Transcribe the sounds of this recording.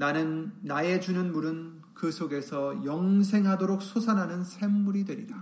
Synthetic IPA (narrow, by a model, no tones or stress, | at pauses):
nanɯnːae̞d͡ʑunɯnmuɾɯn | kɯsʰoɡe̞sʰʌjʌŋsʰe̞ŋɦadoɾok̚sʰosʰanɦanɯnsʰe̞mːuɾidwe̞ɾida